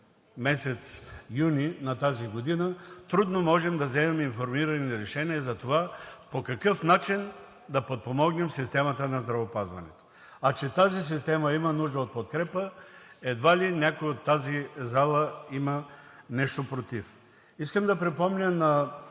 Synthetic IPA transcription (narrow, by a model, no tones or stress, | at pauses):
mɛsɛt̪sjuninɐt̪aziɡod̪inət̪ɾud̪nomɔʒɛmd̪ɐzɛmɛminfoɾmiɾɐniɾɛʃɛniɐzɐt̪ovapokɐkɤfnat͡ʃin | d̪ɐpot̪̚pomɔɡnɛmsist̪ɛmɐt̪ənɐzd̪ɾɐvopazvɐ̰nɛ̰t̪o̥ | ɐt͡ʃɛt̪azis̬ist̪ɛmɐimɐnuʒd̪əot̪̚pot̪̚kɾɛpəɛd̪valinʲakojiot̪ːazizalˠəimənɛʃt̪opɾot̪if | iskəmd̪ɐpɾɛpɔmnʲənɐ